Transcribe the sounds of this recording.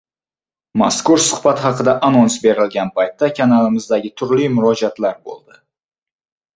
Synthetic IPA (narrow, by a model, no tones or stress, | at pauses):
ma̰skʊɾsʊ̥χbat̪χɑqɨd̪aʔanonsbe̞ɾɪlɡʲanpajt̪ːakʰʲanalɪmɪzd̪aɡʲɪt̪ʰʊɾlimʊɾɒd͡ʒat̪laɾbo̰lˠd̪ɪ